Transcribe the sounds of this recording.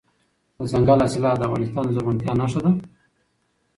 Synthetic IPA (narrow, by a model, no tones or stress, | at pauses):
əzaŋɡalasɪlɑd̪əafɣɑnɪst̪ɑnzaɣʊnt̪jɑnaʂad̪a